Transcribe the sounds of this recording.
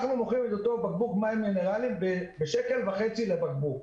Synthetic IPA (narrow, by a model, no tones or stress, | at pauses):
aχnumoχimet̪ot̪obaɡ̚bukmaimɡene̞ʁalimbebeʃeke̞lvaχet͡silebaɡ̚buk